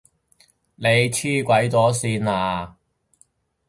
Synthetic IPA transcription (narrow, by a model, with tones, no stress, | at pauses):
ne˨˧jt͡sʰiː˥˩kʷɐ˨˥jt͡sɔː˨˥siː˧naː˧